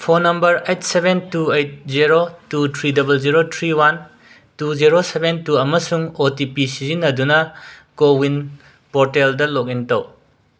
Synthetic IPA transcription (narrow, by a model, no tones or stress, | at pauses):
pʰonɐmbɐɾejt̚ʰsebentuejt̚ziɾotutʰɾidɐbɐlziɾotʰɾiwan | tuziɾosebentuɐmɐsuŋotipisizinːɐdunɐkowin | poɾteldɐlok̚intow